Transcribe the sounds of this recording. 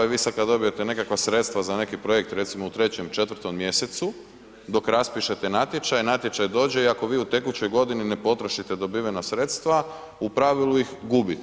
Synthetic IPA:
eʋisakad̪o̞bijet̪ene̞kakʋasɾe̞t̪st̪ʋazane̞kipɾo̞jek̚t̪ɾe̞t̪simout̪ɾe̞t͡ɕemt͡ʃe̞t̪ʋɾ̩t̪o̞mmje̞se̞t̪su | d̪o̞kɾaspiʃe̞t̪e̞nat̪je̞t͡ʃajnat̪je̞t͡ʃajd̪o̞ːd͡ʑe̞iako̞ʋiːut̪e̞kut͡ɕo̞jɡo̞d̪inine̞po̞t̪ɾoʃit̪ed̪o̞biʋenasɾe̞t̪st̪ʋa | upɾaʋilˠujixɡuːbit̪

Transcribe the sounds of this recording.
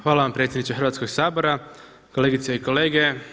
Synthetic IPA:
xʋaːlaʋampɾe̞t̪sʲjd̪nit͡ʃ̪exɾʋaːt̪sko̞ɡsaːbo̞ɾa | ko̞le̞ːɡit̪seiko̞le̞ːɡe̞

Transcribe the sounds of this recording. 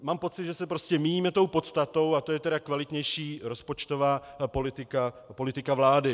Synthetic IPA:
maːmpo̞t͡sɪd̪ʒɛsɛpɾo̞scɛmijiːmɛt̪o̞wpo̞t̪st̪at̪o̞wat̪o̞jɛt̪ɛɾakvalɪt̪ɲɛjʃiːɾo̞spo̞t͡ʃt̪o̞vaːpo̞lɪt̪ɪkapo̞lɪt̪ɪkavlaːdɪ

